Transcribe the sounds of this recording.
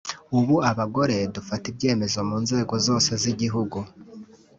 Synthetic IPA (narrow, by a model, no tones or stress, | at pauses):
uβuaβaɡo̞ɾe̞dufatibɟe̞ːme̞zo̞muːnze̞ːɡo̞zo̞ːse̞ziɟiɦuɡu